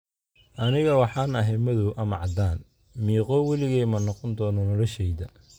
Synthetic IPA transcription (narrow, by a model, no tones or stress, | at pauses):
ʔɐnɪɣɐwɑħɑːnɐɦɛmɐðʊʔɐmɐʕɑd̪aːn | miːqɔːwɛlɪɣɛjmɐnɔqɔnd̪ɔːnɔnɔlɔʃɛjðɐ